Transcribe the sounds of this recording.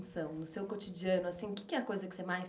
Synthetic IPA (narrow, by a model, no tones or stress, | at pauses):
sɐ̃w̃nʊsewkot͡ʃid͡ʒiɐ̃nʊasĩʊkɪ̥kɪɛɐkojzɐkɪ̥semaj